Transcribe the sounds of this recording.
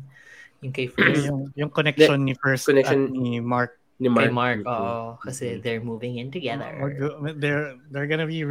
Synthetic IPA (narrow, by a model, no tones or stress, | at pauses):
jʊŋkɐjfjʊŋjʊŋkɔnɛk̚ɔnːifɛɹskːɔnɛkʃonimaɹk̚ | nɪmamaɹkʔoːʔokɐsɛðɛɹmuvɪ̃ŋɪ̃nt̪ʊɡɛðə̰ɹd̪ɛɹd̪ɛɹɡonɐbi